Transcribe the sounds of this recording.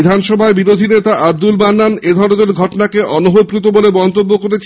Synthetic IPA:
d̪ʱanʃɔbʱaebiɾod̪ʱinet̪aʔab̚d̪ulbanːaned̪ʱɔɾod̪eɾɡʱɔʈonakeʔɔnoɦopɾit̪̬obolebɔnt̪obːokoɾet͡ɕʰ

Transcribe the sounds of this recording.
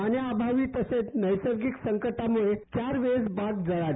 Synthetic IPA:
aniabʱaʋiːt̪əset͡snəjsəɾɡiksəŋkəʈamuɭet͡ɕaɾʋesbaɡd͡zəɭaɾ

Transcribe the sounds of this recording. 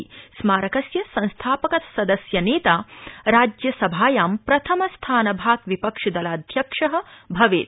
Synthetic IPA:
smaːɾɐkɐsjɐsɐ̃nst̪ʰaːpɐkɐt̪sɐd̪ɐsjɐneːt̪aːɾaːd͡ʒjɐsɐbʱaːjaːmpɾɐt̪ʰɐmɐst̪ʰaːnɐbʱaːɡʋipɐkʂɐd̪ɐlaːd̪ʱjɐkʂɐɦɐbʱɐʋḛːt̪̚

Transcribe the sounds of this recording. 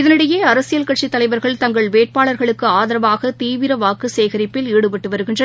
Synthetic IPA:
ɪðɐnɪɽɐjeːɐɾɐsɪjɐlkɐʈt͡ʃit̪ːɐlɐɪʋɐɾɣɐɭt̪ɐŋɡɐɭʋeːʈ̚paːɭɐɾɣɐɭɯkːɯaːðɐɾɐʋaːɣɐt̪iːʋɪɾɐʋaːkɯseːɣɐɾɪpːɪliːɽɯpɐʈːɯʋɐɾɯɣɪndrɐnɐ

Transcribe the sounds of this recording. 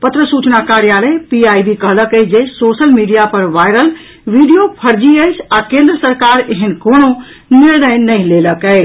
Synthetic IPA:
pət̪ɾəsut͡ʃnakaɾjalepiajbikəɦləkəd͡ʒesosəlmiɖijapəɾʋaɪɾəl | ʋiɖijopʰəɾd͡ʒiəɪsʰakẽnd̪ɾəsəɾkaɾeɦənkono | niɾnəjnəĩleləkə

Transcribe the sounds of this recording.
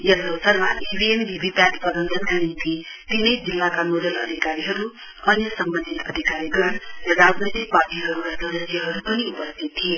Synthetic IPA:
jʌlːosʌrmanibʱiembʱibʱipaʈpʌd̪ʌnt̪ʌnkanint̪i | t̪inʌjd͡zilːakanodʌlʌ̰d̪ʱikaɾiɦʌɾu | ʌnjʌsʌmbʌnd̪ʱit̪ʌd̪ʱikaɾiɡʌɽɾʌɾad͡znojt̪ik̚baʈiɦʌɾuɾad̪ʱʌɾʌsijʌɦʌɾupʌniupʌst̪ʰit̪ʰːije

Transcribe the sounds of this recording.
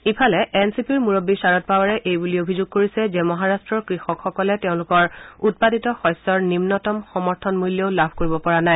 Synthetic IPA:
ipʰalɛʔɛnsipiɹmuɹobːisaɹɔt̚pawaɹɛʔejbuliobʱizʊɡ̚koɹisɛzɛmɔɦaɹastɹɔɹkɹixɔkxɔkɔlɛteʊ̃lʊkɔɹut̚paditɔxɔjsːɔɹnimnɔtɔmxɔmɔɹtʰɔnmulːjeʊlabʱkoɹibɔpɔɹanaj

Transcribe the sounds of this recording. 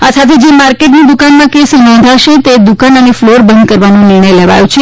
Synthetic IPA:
asat̪ʰed͡ʒemaɾkeʈnid̪ukanmãkesnɔ̃nd̪ʱaʃet̪ed̪ukanənefloɾbənd̪kəɾʋanõnɪɾɳəjleʋa̰jõt͡ʃʰe

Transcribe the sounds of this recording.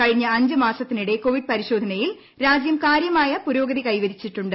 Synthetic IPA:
kɐɻiɲːɐɐɲd͡ʑɨmaːsɐt̪ːiniɽe̞ko̞ːʋiɖ̚pɐɾiɕo̞ːd̪ʱɐnɐjil | ɾaːd͡ʑjɐmkaːɾjɐmaːjɐpuɾo̞ːɡɐðikɐjʋɐɾit͡ɕːiʈːuɳɖɨ

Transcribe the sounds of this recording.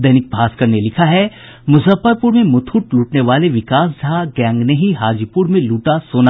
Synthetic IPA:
d̪ɐɦnɪk̚bʱaːskɐɾnelɪkʰaɦɛ | mʊsəfəɾpuɾmẽmʊt̪ʰuʈluːʈneʋaːleʋɪkaːs̬d͡ʒʱaɡɛ̃ːŋɡneɦiɦaːd͡ʒipuɾmẽluːʈasoːna

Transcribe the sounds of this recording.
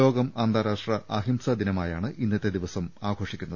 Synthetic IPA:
o̞ːɡɐmaːnd̪aːɾaːʂʈrɐʔɐɦimsɐd̪inɐmaːjaːɳɨʔinːɐt̪ːe̞d̪iʋɐsɐmaːɡʱo̞ːʂikʲːunːɐð

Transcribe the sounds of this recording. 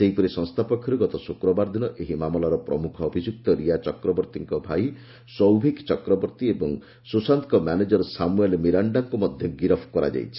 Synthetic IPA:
seɦipɔɾisɔŋst̪ʰapɔkʰjɔɾuɡɔt̪ɔsukɾɔbaɾd̪inɔʔeɦimamɔlaɾɔpɾɔ̰mukʰɔːbʱid͡ʒuk̚t̪ɔɾijat͡ʃɔkɾɔbɔɾt̪iŋkɔbʱaj | sɔwbʱikt͡ʃɔkɾɔbɔɾt̪iebɔŋ | susant̪kɔmaned͡ʒɔɾɔsamuelmiɾaɳɖaŋkumɔd̪ʱjɔɡiɾɔpʰkɔɾa̰d͡ʒa̰jt͡ʃʰi̥

